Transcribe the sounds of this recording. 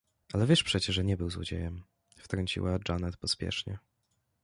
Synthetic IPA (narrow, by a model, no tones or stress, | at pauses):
alɛvʲjɛʂpʂɛt͡ɕɛʐɛɲɛbɘwzwɔ̰d͡ʑḛjɛm | ft̪ɾɔɲt͡ɕḭwad͡ʐanɛt̪pɔspʲjɛ̰ʂɲɛ̰